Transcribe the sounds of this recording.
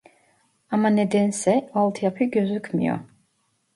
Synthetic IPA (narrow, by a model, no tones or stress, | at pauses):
amanɛd̪ɛnsɛalˠt̪ʰjapʰiɡøzykʰmḭjɔ̰